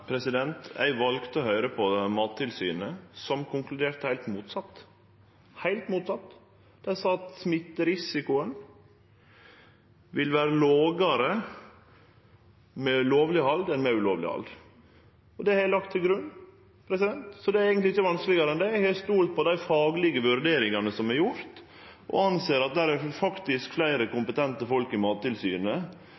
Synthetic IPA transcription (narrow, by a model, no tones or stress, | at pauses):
pʰɾɛsɪd̪ɛnt̪æ̰ɪʋɑlɡt̪əɔɦœʏɾəpʰɔmɑːt̪ʰːɪlsy̰ːnəsɔmkʰʊŋklʉd̪eːɾt̪hæɪlt̪muːt̪sɑt̪ː | hæɪlt̪muːt̪sɑt̪ː | d̪̥ɛɪsɑːɑt̪smɪt̪ːəɾɪsɪkʊən | ʋɪlʋæːɾəloːɡɑɾə | mɛʉloːʋlɪhɑld̪ɛnmɛʉloːʋlɪ̰hɑ̰ld̪ | ɔd̪ɛhɑælɑk̚t̪ʰːɪlɡɾʉnː | pʰɾɛsɪd̪ɛnt̪sɔd̪ɛæɾeɪɡənt̪lɪɪçəʋɑnsklɪɡɑɾəɛnd̪ɛjæhɑst̪uːlt̪̚pʰɔd̪æɪfɑːɡlɪɡəʋʉɾd̪eːɾɪŋɑnəsɔmæɾjʊɾt̪ | ʔɔ̰ɑnseːɾɑt̪̚d̪æːɾæɾfɑkt̪ɪskflæɪɾəkʊmpət̪ʰɛnt̪əfɔlkɪmɑːt̪ːɪlsy̰ːnə